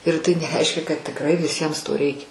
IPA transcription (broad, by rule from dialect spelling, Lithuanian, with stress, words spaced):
ɪr tɐɪ nʲɛˈrʲɛɪʃʲkʲɛ kɐt tʲɪkˈrɐɪ ʋʲɪˈsʲiɛms toː ˈrʲɛɪkʲɛ